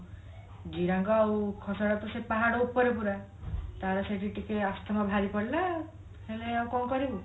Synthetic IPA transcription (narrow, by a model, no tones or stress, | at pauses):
d͡ʒiɾaŋkɔawkʰɔsɔɽat̪ɔsepaɦaɽɔupːɔɾepuɾa | t̪aɾɔseʈiʈʰikeast̪ʰamabʱaɾipɔɽila | heleaw̃kɔmkɔɾibu